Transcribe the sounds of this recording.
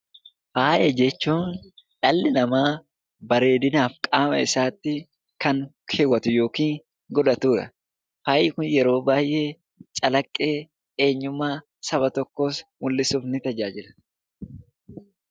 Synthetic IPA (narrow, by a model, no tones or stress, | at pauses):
faːjʔɐd͡ʒɛt͡ʃːuːnᶑɐlːɪnɐmaː | bɐɾe̞ːd̪ɪnaːfkʼaːmɐ̰ɪsaːt̪ːɪ | kɐŋ | kʰeːwːɐt̪ʊjo̞ːkiːŋ | ɡɔd̪ɐt̪uːᶑɐ̰ | faːjɪkʊnjɛɾo̞ːbaːjʔe̞ː | t͡ʃʼɐlɐkʼːe̞ː | e̞ːɲːʊmːaː | sɐbɐt̪ɔkːo̞ːsmʊlːɪsuːfnɪt̪ɐd͡ʒaːd͡ʒɪlɐ̥